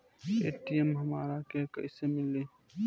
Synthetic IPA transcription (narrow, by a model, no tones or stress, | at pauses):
ḛːʈiemɦɐma̰ːɾakekɐ̰isemɪlːeː